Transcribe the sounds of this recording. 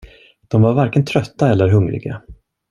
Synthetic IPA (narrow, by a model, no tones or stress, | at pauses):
d̪̥ɔmvaɾvaɾkənt̪ʰɾœt̪ːaɛlːəɾɦɵŋɾɪ̰ɡa